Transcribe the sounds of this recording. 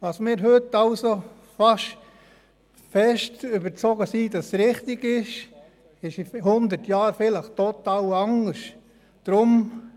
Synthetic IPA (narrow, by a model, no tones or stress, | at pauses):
ʋɑːsmɪːɾɦøtːɑlso | fɑʃ | fɛʃtybəɾt͡soɡəsid̥ɑsɾɪχtɪɡɪʃ | ɪʃihʊndəɾtjɑːɾfɪləχtot̪ɑːlɑŋəʃ | d̥ɾʊm